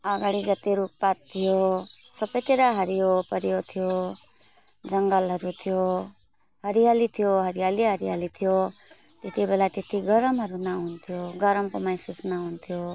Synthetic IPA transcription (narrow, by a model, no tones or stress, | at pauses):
aɡaɽ̃id͡zʌt̪eɾuk̚pat̪ʰːijosʌbʌjt̪iɾaɦʌɾijopʌɾijot̪ʰijo | d͡zʌŋɡʌlɦʌɾut̪ʰijo | ɦʌɾijalit̪ʰijoɦʌɾijaliɦʌɾijalit̪ʰijo | t̪et̪ʰibelat̪et̪ʰiɡʌɾʌmɦʌɾunaɦunt̪ʰijoɡʌɾʌmkomajsusnaɦunt̪ʰijo